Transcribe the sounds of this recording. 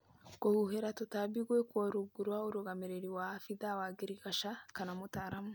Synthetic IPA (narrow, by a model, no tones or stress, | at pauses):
kohuɦeɾatotabiɡwekwoɾuɡuɾwauɾuɡameɾeɾiwahafidawaɡiɾiɡaʃakanamutaɾamu